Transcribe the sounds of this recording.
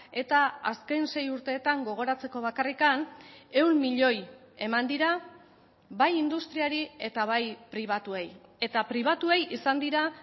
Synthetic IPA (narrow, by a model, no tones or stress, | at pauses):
e̞t̪aaske̞jnse̞juɾt̪e̞ːt̪aŋɡo̞ɣ̞o̞ɾat͡se̞ko̞β̞akarikane̞wnmiʎo̞j | e̞mand̪iɾa | βajind̪ust̪ɾiaɾie̞t̪aβajpɾiβ̞at̪ueje̞t̪apɾiβ̞at̪uejisand̪iɾa